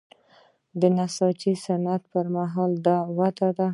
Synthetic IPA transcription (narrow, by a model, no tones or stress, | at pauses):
d̪ənasɑt͡ʃisanat̪pəɾmaɦɑld̪ɑwat̪ad̪a